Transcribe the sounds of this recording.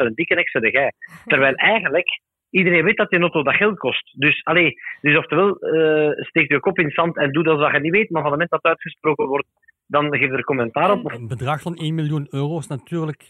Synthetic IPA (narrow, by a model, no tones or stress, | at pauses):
ənəndikənɛksədəɣɛːtəɾʋɛːlˠɛːɣə̃ndlək | idəɾeːnʋeːt̚dɑtənoːtoːdɑxɛlˠt̚kɔstdʏsɑleːd̥ʏsɔftəʋɛlˠəsteːk̚tyəkɔpɪnsɑntɛndudɑzdaxɛniʋeːtəmaːrvɑndəmɛntdɑtœːtxəsprɾoːkənwɔrt̚ | dɑnɣeːfdəɾəkɔmɛntaːɾɔpɔfbədrɑxfɑneːnmiljunøːroːsnatyːrlək